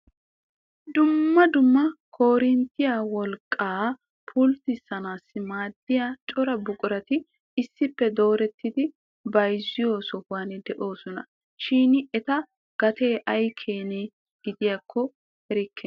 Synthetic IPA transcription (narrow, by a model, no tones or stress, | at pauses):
d̪ʊmːɐd̪ʊmːɐkʰo̞ːɾɪnt̪ːɪjaːwɔlkʼːaː | pʰʊlt̪ɪsːɐnaːsːɪmaːd̪̥ːɪjaːt͡ʃʼɔɾɐbʊkʼʊɾɐt̪ɪ | ɪsːɪpːɛd̪o̞ːɾɛt̪ːɪd̪ɪ | bɐjzːɪjo̞ːsɔwaːnɛd̪ɛʔo̞ːsɔnɐ | ʃiːnɪɛt̪ɐ | ɡ̥ɐt̪e̞ːʔɐjkʰeːnɛ | ɡ̥ɪd̪ɪjaːkʰːɔ | hɛɾɪkʰːɛ